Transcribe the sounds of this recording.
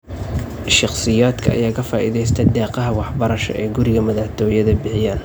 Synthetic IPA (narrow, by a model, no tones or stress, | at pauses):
ʃɑqsɪjaːd̪kʰɐ̰ːjaːkʰɐfaːʔḭðɛjst̪ʰɐd̪ɛːqɑɦɐwɑħbɐɾɐʃɔ̰ʔɛːɡʊɾɪɣɐmɐðɐħt̪ʰɔːjɐðɐbɪħɪjaːn